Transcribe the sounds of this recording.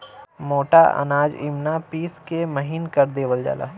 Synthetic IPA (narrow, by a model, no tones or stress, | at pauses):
moːʈa̰ʔɐ̰naːd͡ʒɪ̰mnapiːskeməɦinkəɾd̪eːʋəld͡ʒa̰ːla̰ː